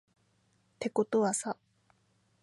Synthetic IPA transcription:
t̪e̞ko̞t̪o̞βasa

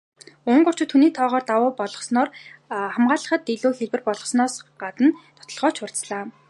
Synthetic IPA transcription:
ʊɴɢʊr̥t͡ɕɪ̆t̪ʰːuniːt̪ʰɔːʁɔːrt̪awʊːpɔɮɞ̆χsnɔːrχamɢaːɮə̆χə̆t̪ːeɮuːxeɮwɘ̆rpɔɮɞ̆χsnɔːsɢat̪ə̆nt̪ʰɔt̪ɞ̆ɮʁɔːt͡ɕʰʊr̥t͡sɮaː

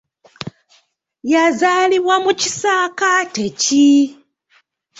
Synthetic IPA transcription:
jazaːliβwamuci̥saːkateci

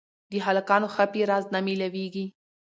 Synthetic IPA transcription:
d̪əɦalakɑnoxapiɾɑznamilaweɡi

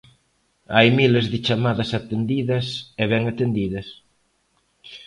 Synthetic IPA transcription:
ajmilezðɪt͡ʃamaðɐsat̪end̪iðɐsɛβɛŋat̪end̪iðɐs

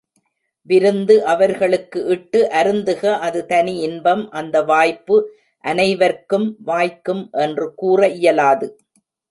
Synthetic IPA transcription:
ʋɪɾɯnd̪ɯʔɐʋɐɾɣɐɭɯkːɯʔɪʈːɯʔɐɾɯnd̪ɯɣɐʔɐðɯt̪ɐniɪnbɐmʔɐnd̪ɐʋaːjpːɯ | ʔɐnɐɪʋɐɾkɯmʋaːjkːɯmʔɛndrɯkuːrɐʔɪjɐlaːðɯ

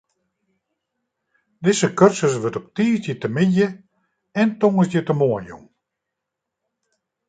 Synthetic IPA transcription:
dɪsəkørsəsʋøtɔp̚tiːsjətəmɪdjə | ɛntoŋəsjətəmoənjṵŋ

